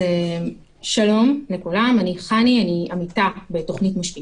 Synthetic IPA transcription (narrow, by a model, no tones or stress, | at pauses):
e | ʃalo̞mlekulamaniχanianiamitabe̞to̞χnitmaʃli